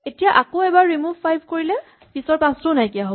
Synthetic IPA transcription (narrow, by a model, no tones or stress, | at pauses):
etijaʔakoɛbaɹɹimuvʱpajbʱkoɹilɛ | b̥isɔɹpãstonajkijaɦob